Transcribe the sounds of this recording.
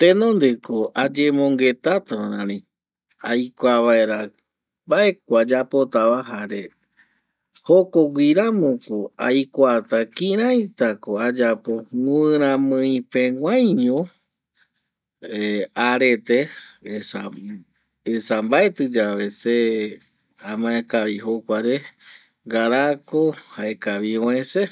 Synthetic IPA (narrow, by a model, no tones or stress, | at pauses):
t̪ẽnõnd̪ekoʔad͡ʒemõŋɡe̞t̪at̪aɾãɾĩ | ajkʷaβae̞ɾa | mbae̞k̚ʷad͡ʒapo̞t̪aβaɦaɾe̞ | hokoɡʷiɾamõkoajkʷat̪akĩɾ̃ãj̃t̪akoad͡ʒapo̞ŋuɨɾ̃ãmɨ̃ĩpẽŋʷãjɲõ | eaɾe̞t̪eesa | esambae̞t̪ɨd͡ʒaʋe̞se | amãekaβiɦokʷaɾe | ɡaɾakohaekaʋiõẽse